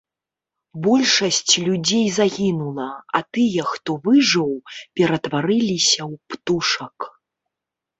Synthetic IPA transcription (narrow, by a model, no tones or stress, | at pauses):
bɔlʲʂɐsʲt͡sʲlʲud͡zʲejzaɣʲinulˠɐa̰t̪ɨjɐxt̪ɔvɨʐɨwpʲɛɾɐt̪vaɾɨlʲisʲɐwpt̪uʂɐk